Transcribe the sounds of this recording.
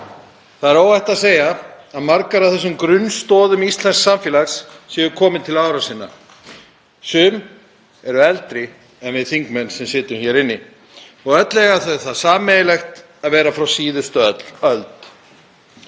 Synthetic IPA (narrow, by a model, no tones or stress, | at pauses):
θaðɛɾoːwajht̪aðseːja | aðmaɾkaɾawθɛsːʏmkɾʏnst̪ɔːðʏmist̪lɛnsksamfɪːlaxsːɛːʏkʰɔːmɪnt̪ʰɪlaːwɾasiːnːa̰ | sʏːm | ɛɾʏɛlt̪ɾɪ | ɛnvɪðθiŋkmɛnːsɛmsɪːt̪ʏmçɛɾɪnːɪ | ɔɣœt̪lɛɣaθaɛ̥θaðsaːmːejɪlɛxt̪ | aðvɛːɾafɾawsiːðʏst̪œt̪l̥œlt̪